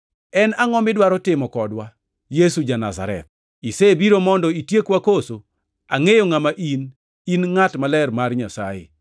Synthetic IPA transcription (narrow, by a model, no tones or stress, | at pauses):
ɛnaŋɔmɪdwaɾɔtɪmɔkɔdwa | jesud͡ʒana̰za̰ɾɛ̰t̪̚ | isebiɾomɔndɔitjekwakoso | aŋejoŋamaʔin | inŋatmalɛrmarɲasa̰jɪ̰